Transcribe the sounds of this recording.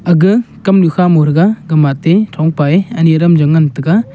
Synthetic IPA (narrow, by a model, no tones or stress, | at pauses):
ɐɡɯkɐmlukʰamoɾɯɡaɡɐmatːetʰɔŋpaeɐniɐɾɐmd͡ʒɐŋɐntɯɡa